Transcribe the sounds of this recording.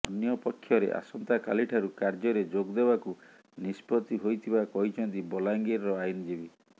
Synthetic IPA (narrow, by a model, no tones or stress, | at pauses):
ɔnjɔpɔkʰːjɔɾḛʔa̰sɔnt̪akaliʈʰaɾukaɾd͡ʒɔɾed͡ʒoɡd̪ebaku | nispɔt̪iɦojt̪ʰibakɔɦit͡ʃʰɔnt̪ibɔlaŋɡeɾɾɔajnid͡ʒebi